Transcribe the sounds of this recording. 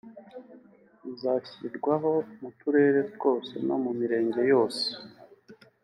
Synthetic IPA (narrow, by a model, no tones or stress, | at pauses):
izaçiɾɡwaɦo̞mutuɾe̞ɾe̞t̚wo̞ːse̞̰no̞mumiɾe̞ːɲɟe̞jo̞ːse̥